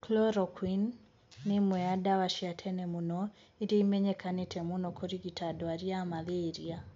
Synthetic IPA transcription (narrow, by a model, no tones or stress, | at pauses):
klɔɾɔkʰwinː | ɪmwɛadawaʃiatʰɛnɛmunɔ | ideimɛɲɛkʰanetʰɛmunɔkʰɔɾiɡitʰadɔaɾiamaðeɾia